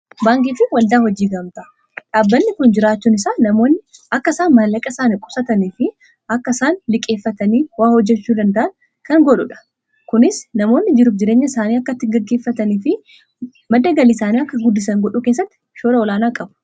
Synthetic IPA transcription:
baːŋkʼiːfɪwɐld̪aːhɔd͡ʒiːɡɐmt̪ɐ | ᶑaːbːɐnːɪkʊnd͡ʒɪɾaːt͡ʃːuːnɪsaːnɐmoːnːɪɐkːɐsaːnmɐlɐkʼɐsaːnɪkʼʊsɐt̪ɐniːfɪ | ɐkːɐsaːnlɪkʼːe̞ːfːɐt̪ɐniːwaːhɔd͡ʒːɛt͡ʃːuːd̪ɐnd̪ɐʔɐn | kɐŋɡɔᶑʊᶑɐ̥ | kʊnɪsnɐmoːnːɪd͡ʒɪɾuːfd͡ʒɪɾeːɲːɐɪsaːniːɐkːɐt̪ːɪɡɐɡːe̞ːfːɐt̪ɐniːfɪ | mɐd̪ːɐɡɐliːsaːniːɐkːɐɡʊd̪ːɪs̬ɐŋɡɔᶑuːkeːs̬ːɐt̪ːɪ̥ | ʃoːɾɐɔlaːnaːkʼɐbʊ̥

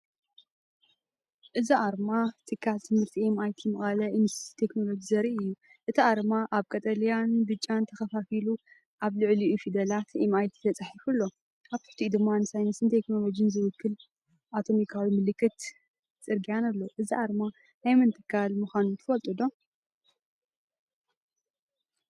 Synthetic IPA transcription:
ʔɨziʔaɾmat̪ʰʼɨkʰːalt̪ʰɨmhɨɾt̪ʰiemajt̪ʰijmɨxʼɐlɐʔɨnɨsʰi̥t̪ʰe̞kno̞lo̞d͡ʒizɐɾiʔɨjːu | ʔɨt̪ʰiʔaɾmaʔaβkʼɐt̪ʼɐlijand̪ɨt͡ʃʼːant̪ʰɐxɐfafilu | ʔaβlɨʕliʔufid̪ɐlat̪emajt̪ʰi̥t̪ʰɐt͡sʼaħifulːo̞ | ʔaβt̪ɨ̥ħt̪ʰid̪ɨmːanɨsajnɐsɨnt̪ʰe̞kno̞lo̞d͡ʒiɨnzɨwʊkʰːɨl | ʔat̪ʰo̞mikʰawimɨlɨkʰːɨt̪ | t͡sʼɨɾɡijanalːoʔɨziʔaɾma | najmɨnt̪ʼɨkʰːalmuxanut̪ʰɨfɐlt̪ʼud̪o̞

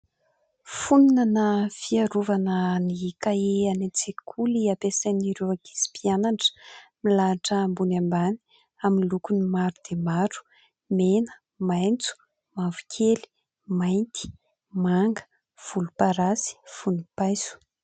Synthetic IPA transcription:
fununanəfiaɾuvanənikaeanet͡sekʰuliapesaniɾewaɡi̥si̥pianaɳʈ͡ʂə̥milaːʈ͡ʂəmbunambani̥ | aminlukunimaɾud̪emaɾu̥ | menə̥ | majnt͡su̥ | mavu̥kʲʰeli̥ | majnt̪ʰi̥ | maŋɡə̥ | v̥ulupaɾasi̥funipajzu̥

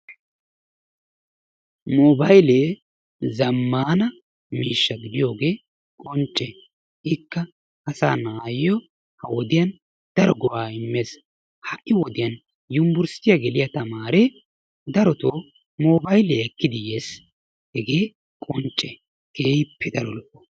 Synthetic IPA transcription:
moːbɐjleː | zɐmːaːnɐ | miːʃːɐɡɪd̪ɪjo̞ːɡeː | kʼɔnt͡ʃʼːe | ʔɪkːɐ | ɐsa̰ːnaːjɪjɔ | hɐwɔd̪ɪjɐn | d̪̥ɐɾɔɡɔwaːɪmːeːs | hɐʔɪwɔd̪ɪjɐn | jʊmbʊɾst̪ɪjaɡɛlɪjɐt̪ɐmaːɾe | d̪ɐɾɔt̪oː | moːbɐjleːɛkːɪd̪ɪjeːs | hɛɡe̞ː | kʼɔnt͡ʃʼːɛ | ɡ̥eːjpːɛd̪ɐɾɔlʔːɔ̥

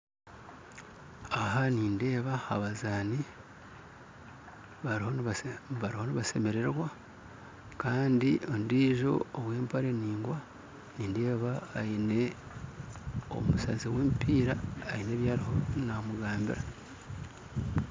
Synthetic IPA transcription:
aɦaniːnde̞ːβahaβazaːni | βaɾhoβaɾiho̞niβase̞me̞ɾe̞ɾwa | kaːndiondiːʒo̞̰oβwe̞ːmpaɾeniːŋɡwa | niːnde̞ːβaːine̞ | o̰musaziweːmpiːɾaːine̞βjaːɾiho̞namuɡaːmbḭɾa

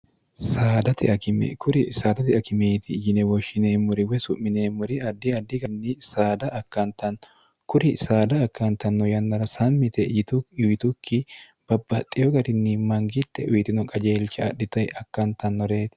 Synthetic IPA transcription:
saːd̪ɐt̪ɪɐkɪm̰kʰʊɾɪsaːd̪ɐt̪ɪɐkɪmeːt̪ɪːjɪnɛwɔʃːɪneːmːʊɾɪwɛsʊʔmːɪneːmʊɾɪɐd̪ːɪɐd̪ːɪɡɐnːɪsaːd̪ɐʔɐkːɐnt̪ɐn | kʊɾɪsaːd̪ɐːkːɐnt̪ɐnːɔjɐnːɐɾɐsɐmːɪt̪ɛjɪt̪ʊjʊɪt̪ʊkːɪ | b̥ɐbːɐt̪ʼːɪjɔɡɐɾɪnːɪmɐŋɡɪt̪ːɛʔʊjɪt̪ɪnɔkʼɐd͡ʒe̞ːlt͡ʃːɐɐ̰ɗːɪt̪ɐjɐkːɐnt̪ɐnːɔɾeːt̪

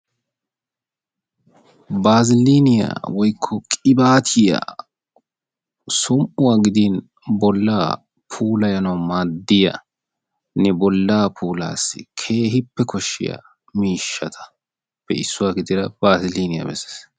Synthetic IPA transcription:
baːzɪliːnɪja̰ːwɔjkʰːɔkʼɪbaːt̪ʰɪja̰ | sʊmʔʊwaːɡɪd̪iːn | bɔlːaː | pʰuːlɐjɐnɐwmaːd̪ːɪjɐ̰ | nɛbɔlːaːpʰuːla̰ːsɪkʰe̞ːɦɪpːɛkʰɔʃːɪ̰ja̰ː | miːʃːɐt̪ʰɐ̥ | pːɛ̰ɪsːʊwaːɡɪd̪ɪɾɐb̥aːzɪliːnɪjɐ̰bɛsːe̥ːs

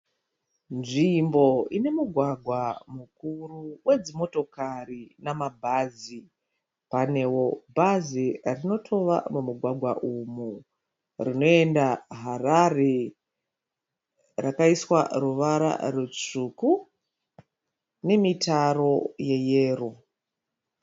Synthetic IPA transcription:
nʐimbo̞ine̞muɡʱwaɡʱwamukuruwʔe̞d͡zimo̞to̞karinamabʱazi | pane̞wo̞bʱazirino̞tʰo̞ʋa̰mumuɡʱwaɡʱwaʔumu | rino̞e̞ndaɦarare | rakaiswa̰ruʋaɾa̰rut͡ʂuku | ne̞mitaro̞je̞jeːro

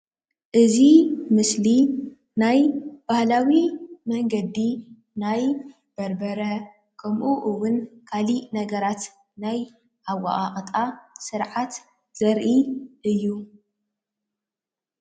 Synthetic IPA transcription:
ʔɨzimɨsli | najb̥ahlawimɐŋɡɐd̪ːi | naj | b̥ɐɾbɐɾɐ | kʰɐmʔuʔɨwʊnkʰalinɐɡɐɾat̪ | naj | ʔawa̰ʔʼaχʼt̪ʼasɨɾʕat̪ | z̥ɐɾʔiʔɨjːu

